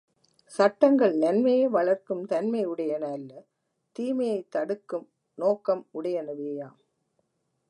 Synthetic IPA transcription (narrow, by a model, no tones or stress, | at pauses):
sɐʈːɐŋɡɐɭnɐnmɐjeːʋɐɭɐɾkɯmt̪ɐnmɐɪʊɽɐjɐnɐlːɐ | t̪iːmɐjɐɪt̪ːɐɽɯkːɯm | noːkɐmʊɽɐjɐnɐʋeːjaːm